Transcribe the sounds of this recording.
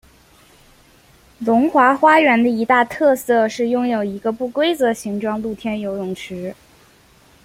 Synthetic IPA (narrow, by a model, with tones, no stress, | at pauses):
lʊ˧˥ŋxwa˧˥xwa˥ɥɛ˧˥nd̪ə˧i˧˥t̪a˥˧t̪ʰɤ˥˧sɤ˥˧ʂɻ̩˥˩˧jʊ˥ŋjo˨˩ʊi˧˥ɡə˧pu˥˩kwe˥ɪt͡sɤ˧˥ɕi˧˥ŋʈ͡ʂwɑ˥˧ŋlu˥˩t̪ʰjɛ˥njo˧˥ʊjʊ˨˩ŋʈ͡ʂʰɻ̩˧˥